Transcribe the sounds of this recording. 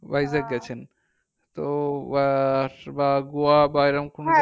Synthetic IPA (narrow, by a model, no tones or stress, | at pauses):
bajzak̚ɡɛt͡ɕʰen | t̪oabaɡoabaeɾamkon